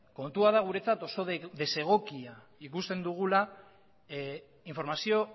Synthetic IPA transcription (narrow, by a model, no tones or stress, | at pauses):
ko̞nt̪uaðaɣ̞uɾe̞t͡sat̪o̞so̞d̪e̞se̞ɣ̞o̞kia | ikust̪e̞nd̪uɣ̞ula | iɱfo̞ɾmasio̞